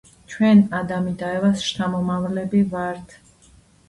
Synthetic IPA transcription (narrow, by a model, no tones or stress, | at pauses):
t͡ʃʰwɛnad̪amid̪aɛvasʃt̪ʰamɔmavlɛbivaɾt̪ʰ